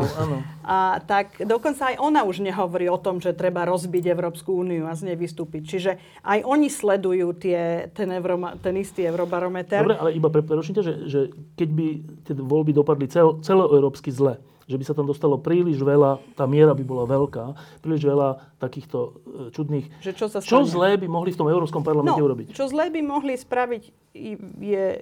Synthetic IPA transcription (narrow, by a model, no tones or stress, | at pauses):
aːnɔat̪akd̪ɔkɔnt͡saːjʔɔnauʒɲɛɦɔʋɔɾiːɔt̪ɔmʒɛt̪ɾɛbaɾɔzbiɟɛʊɾɔːpskuuːniuazɲɛʋist̪uːpic̚t͡ʃiʒɛ | ʔajʔɔɲislɛd̪ujuːt̪ɪɛt̪ɛnɛʊɾɔmt̪ɛnist̪iɛʊɾɔbaɾɔmɛt̪ɛɔbɾɛalɛibapɛpɾɛɾɔt͡ʃmcaʒɛʒɛkɛɟbit̪ɪɛʋɔlbid̪ɔpad̪lit͡sɛlt͡sɛlɔɛʊɾɔːpskizlɛ | ʒɛbisat̪amd̪ɔst̪alɔpɾiːliʒʋɛlat̪aːmɪɛɾabibɔlaʋɛlkaːpɾiːliʒʋɛlat̪akiːxt̪ɔt͡ʃud̪niːxʒɛt͡ʃɔsat͡ʃɔzlɛːbimɔɦlift̪ɔmɛʊɾɔːpskɔmpaɾlamɛnɲɲɛuɾɔbict͡ʃɔzlɛːbimɔɦlispɾaʋic | jɛ